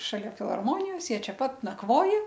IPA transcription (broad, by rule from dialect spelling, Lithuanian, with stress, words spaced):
ʃɐˈlʲɛ fʲɪlˠɣɐrˈmoːnʲɪjoːs ˈjiɛ ˈt͡ʃʲɛ ˈpɐt nɐkˈʋoːjɛ